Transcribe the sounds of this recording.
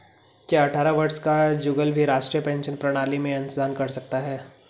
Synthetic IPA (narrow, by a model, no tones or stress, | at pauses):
kjaɐʈʰaːɾaʋɐɾskad͡ʒʊɡəlbʱiɾaːʃʈɾijəpɛ̃ːnʃənpɾɐɽ̃aːlimẽɐ̃nszaːnkɐɾsɐk̚t̪aɦɛː